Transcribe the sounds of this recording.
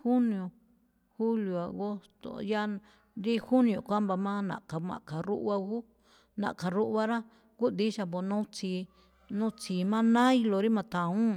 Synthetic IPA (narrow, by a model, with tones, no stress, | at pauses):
hu˦nĩ˧õ˨ | hu˦ljo˨a˨ɣo˦t̪o̰˨ja˦ | ɾi˦hu˦nĩ˧õ˨kʷa˦mba˧mã˦nã̰˨ka˨mã̰˨ka˨ɾṵ˦ʔβa˧ɣu˦ | nã̰˨ʔka˨ɾu˦ʔβa˦˧ɾa˦ | ku˦d̪i˦ʃa˧bo˧nũ˦t͡si˧ | nũ˦t͡si˨˧˨mã˦nã˦i˧lo˨˧ɾi˦mã˧t̪ã˨ũ˦